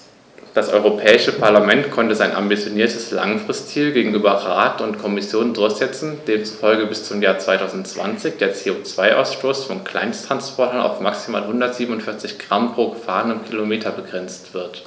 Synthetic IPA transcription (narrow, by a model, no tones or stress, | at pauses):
d̥asʔɔ̰ʏʁopʰɛːɪʃəpʰaɐlamɛntkʰɔntəzaɪnʔa̰mbit͡sjoniːɐtʰəsla̰ŋfʁ̥ɪstt͡siːlɡeːɡŋ̩ʔyːbɐʁaːtʊntkʰɔmɪsjoːndʊɐçz̥ɛt͡sn̩deːmt͡su̥fɔlɡəbɪst͡sʊmjaːɐt͡sv̥aɪtʰaʊzn̩tt͡sv̥a̰nt͡sɪçd̥eːɐt͡seːot͡sv̥aɪʔa̰ʊsʃtoːsfɔnkl̥a̰ɪnstʁ̥anspʰɔɐtɐna̰ʊfmaksima̰ːlɦʊndɐtz̥iːbn̩ʊntfɪɐt͡sɪçɡ̥ʁampʁ̥oːɡəfa̰ːʁənənkʰilomeːtʰɐbəɡʁɛnt͡stv̥ɪɐt